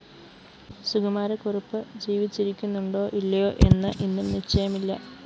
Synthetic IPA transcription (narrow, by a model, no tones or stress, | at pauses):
suɡɐmaːɾɐkurɐpːɨd͡ʑiːʋit͡ɕːiɾikʲːunːuɳɖo̞ːʔilːɐjo̞ːʔe̞nːɨʔinːumniʂt͡ɕɐjɐmilːɐ